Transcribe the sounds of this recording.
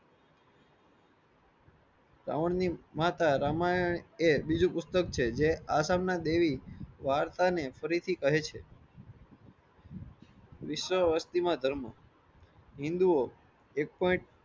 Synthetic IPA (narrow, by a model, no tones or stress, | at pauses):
ɾa̰ʋəɳnimat̪aɾamajəɳebid͡ʒũpʊst̪əkt͡ʃʰed͡ʒeasamnad̪eʋiʋaɾt̪anefəɾit̪ʰikəɦet͡ʃʰe | ʋɪʃʋəʋəst̪imãd̪ʱəɾmə | ɦĩnd̪uo | ek̚pɔiɳʈ̚